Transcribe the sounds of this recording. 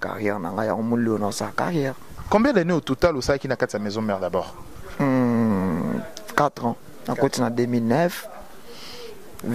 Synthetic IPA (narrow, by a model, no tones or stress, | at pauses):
ka̰ʁjɛʁna̰ŋɡaja̰ŋomolionãsaka̰ʁjɛʁkɔ̃mbjɛ̃dɛneotutalosalakinakatiamɛzɔ̃mɛʁdabɔʁ̩ | kat̪ʁɑ̃ | na̰kotinademilnɛf